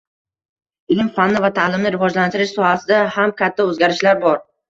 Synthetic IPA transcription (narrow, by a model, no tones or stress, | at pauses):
ɪlɪmfanːɪvat̪ʰalɪmnɪɾɪvɒd͡ʒlant̪ʰɪɾɪʃsɒhasɪd̪ahamkʲʰat̪ʰːaɵzɡʲaɾɪʃlaɾbɒɾ